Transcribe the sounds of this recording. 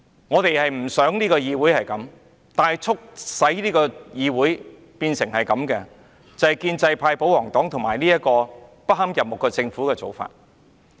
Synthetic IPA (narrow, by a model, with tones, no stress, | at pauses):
ŋɔː˨˧t̪e˨jhɐ˨jm̩˨˩sœː˨˥ŋniː˥kɔː˧jiː˧wu˨˥jhɐ˨jkɐ˨˥m | t̪aː˨jt͡sʰʊ˥k̚sɐ˨˥jniː˥kɔː˧jiː˧wuː˨˥j | piː˧nsɪ˨˩ŋhɐ˨jkɐ˨˧˥mkɛ˧ | t͡sɐ˨jkiː˧nt͡sɐ˧jpʰaː˧jpo˨˥wɔː˨˩ŋt̪ɔː˨˥ŋt̪ʰʊ˨˩maː˨˩jniː˥jɐ˥t̚kɔː˧pɐ˥hɐ˥mjɐ˨p̚mʊ˨kːɛː˧t͡sɪ˧ŋfuː˨˥kɛː˧t͡so̰˨wfa̰ː˧t̚